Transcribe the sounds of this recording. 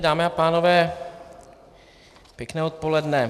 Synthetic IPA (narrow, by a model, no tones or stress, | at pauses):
daːmɛapaːno̞vɛː | pjɛknɛːot̪̚polɛdnɛ